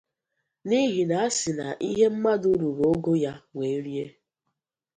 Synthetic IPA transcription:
ni˦ɦi˨na˨a˦sɪ˨na̰˨ʔi˦ɦe˦m̩˦ma˦du˦ɾu˨ɾo˦ɡo˦ja˦ŋʷe˨˦ɾi˦e˦

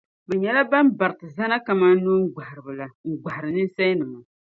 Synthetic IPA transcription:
bɛ˨ɲɛ˨la˦ba˦mba˨ɾɨ˨tɨ˨za˦na˦ka˨ma˦n˦nu˦ŋ̩˦ɡa˨hɾɨ˨bɨ˨la˨ŋ̩˨ɡ͡ba˨hɾɨ˨nɨ˦n˦sa˦jnɨ˨ma˨

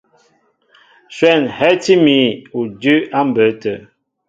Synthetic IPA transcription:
swɛ˦˨nhɛ˦ti˦mi˨˦u˨dʉ˦a˦m̩˨bə˨˦tə˨

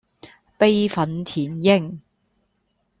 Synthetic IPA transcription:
pe˥jfɐ˨˥nt̪ʰiː˨˩njɪ˥ŋ

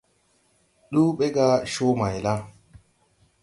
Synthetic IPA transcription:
ɗuː˦ɓɛ˦ɡa˦ʃoː˦ma˨jla˦

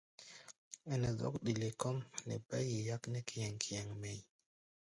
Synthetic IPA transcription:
ɛ˨nɛ˨zɔ̰˦kɗi˨le˨kɔ˦mnɛ̰˨ba˦ji˨ja˦knɛ˦ki˨jɛ˨ŋkʰi˨jɛ˨ŋmɛ˨j

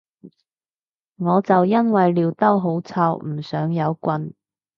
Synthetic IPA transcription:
ŋɔː˨˧t͡sɐ˨wjɐ˥nwɐ˨jliː˨˧wt̪ɐ˥wɦo˨˥wt͡sʰaː˧wm̩˨˩sœː˨˥ŋjɐ˨˧wkʷɐ˧n

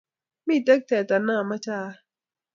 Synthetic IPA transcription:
miː˥˨t̪e˦k̚t̪ʰɛː˨˩t̪a˧˨naː˧˨ma˦˧˨t͡ɕʰaː˧

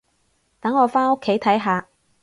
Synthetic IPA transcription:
t̪ɐ˨˥ŋːɔː˨˧faː˥nʊ˥kʰːe˨˥jt̪ʰɐ˨˥jɦaː˨˧

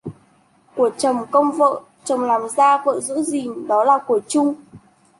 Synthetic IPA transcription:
ku˧˩ət͡ɕə˨˩wŋ͡mkə˧wŋ͡mvə̰ː˧˨ | t͡ɕə˨˩wŋ͡mlaː˨˩mzaː˧və̰ː˧˨zɨ̰˧˥zi˨˩nɗɔ˨˦laː˨˩ku˧˩ət͡ɕʊ˧ŋ͡m

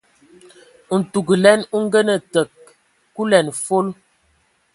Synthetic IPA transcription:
n̩˨tu˨ɡə˨lɛ˦nu˦ŋ̩˦ɡə˦nə˨tə˨k̚ː | u˦lɛ˨nfo˦l

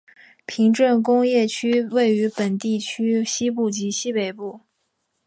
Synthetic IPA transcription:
pʰi˧˥ŋʈ͡ʂə˥˩nkʊ˥ŋjɛ˥˩t͡ɕʰy˥we˥˩ɪy˧˥pə˨˩nt̪i˥˩t͡ɕʰy˥ɕi˥pu˥˩t͡ɕi˧˥ɕi˥pe˨˩ɪpu˥˩

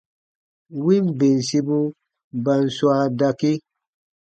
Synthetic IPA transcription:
wi˦mbe˨n˨si˦bu˦ | ba˨nswa˦da˧ki˦

